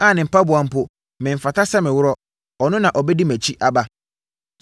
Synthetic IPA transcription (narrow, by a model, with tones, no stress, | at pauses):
a˦˨nɪ̃˨m̩˨pa˦bʊ˨a˨m̩˦pʊ˦ | mɪ̃˨m̩˨fa˨ta˦sa˦mɪ̃˨wʊ˦ɾɔ˦ | ɔ˨nʊ̃˦nã˨ʔɔ˨bɛ˦di˦mæ˨t͡ɕʰi˦ʔa˨ba˦